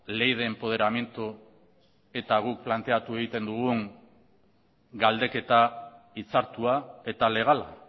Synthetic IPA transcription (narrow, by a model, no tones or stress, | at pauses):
le̞jð̞e̞ːmpo̞ð̞e̞ɾamje̞nt̪u | e̞t̪aɣ̞uk̚plant̪e̞at̪ue̞ɣit̪e̞nd̪uɣ̞uŋ | ɡald̪e̞ke̞t̪a | it͡saɾt̪uae̞t̪ale̞ɣ̞ala̰